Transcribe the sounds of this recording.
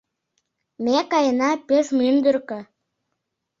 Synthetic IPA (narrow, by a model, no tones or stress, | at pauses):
mekɑjənɑpøʃmynd̪ərkø̆